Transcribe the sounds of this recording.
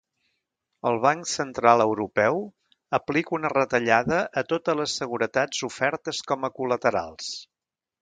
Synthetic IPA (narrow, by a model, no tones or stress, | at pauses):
əlˠβ̞aŋksənt̪ɾalˠəwɾupɛw | əplikunərət̪əʎaðəʔət̪ot̪ələsːəɣ̞uɾət̪ad͡zufɛɾt̪əskɔməkulət̪əɾa̰lˠs